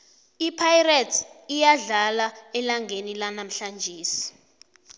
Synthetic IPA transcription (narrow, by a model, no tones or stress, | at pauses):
ipʰajratʰijaɮalaɛlaŋɡʱenilanam̩ɬand͡ʒʱiːsi̥